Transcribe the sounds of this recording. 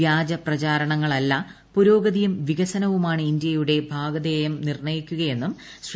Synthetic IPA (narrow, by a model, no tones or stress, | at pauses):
jaːd͡ʑɐprɐt͡ɕaːɾɐɳɐŋːɐɭɐlːɐ | puɾo̞ːɡɐðijumʋiɣɐsɐnɐʋumaːɳɨind̪jɐjuɽe̞bʱaːɡɐd̪eːjɐmnirɳɐjikʲːuɣɐje̞nːum | s